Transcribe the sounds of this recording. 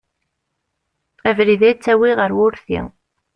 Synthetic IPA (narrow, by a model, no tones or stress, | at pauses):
ævɾiðæt͡sːæwiʁəɾwʊɾθḭ